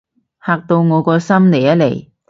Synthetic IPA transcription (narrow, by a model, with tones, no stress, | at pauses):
haː˨k̚t̪o˧wŋɔː˨˧kɔː˧sɐ˥mne˨˩jɐ˨˥le˨˩j